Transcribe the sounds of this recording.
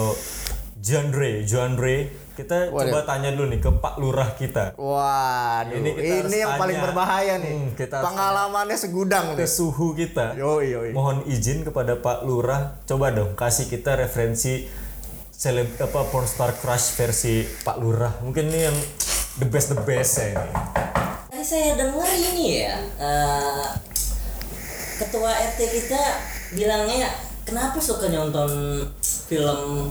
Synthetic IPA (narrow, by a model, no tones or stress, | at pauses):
d͡ʒandɾed͡ʒuandɾe | kit̪at͡ʃobat̪aɲadulʊnɪkəpa̰ʔluɾahkit̪awadinikit̪aɾnijaŋapalɪŋɲaŋbərbaɦajanikit̪apəŋalamanɲasəɡudaŋtəsuɦukit̪ajoomɔɦɔnid͡ʒɪnkəpadapaʔluɾaht͡ʃobadɔŋkasikit̪aɾefəɾɛnsi | selɛbapapɔnst̪arkɾasfɛrsipaʔluɾahmuŋkɪnnijaŋdəbɛsdəbɛsainḭ | t̪aɾisajadəŋarinija̰ʔə | kət̪uaɛrt̪ekit̪abilaŋɲa | kənapasukaɲɔnt̪ɔn | filəm